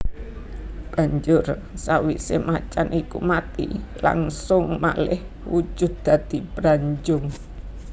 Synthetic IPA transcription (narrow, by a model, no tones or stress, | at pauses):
b̥a̤ɲd͡ʒʊr | sawisemat͡ʃanʔikumat̪ḭla̰ŋsʊŋma̰lɪh | wud͡ʒʊ̤d̪̚d̪̥a̤d̪̥ibɾaɲd͡ʒʊŋ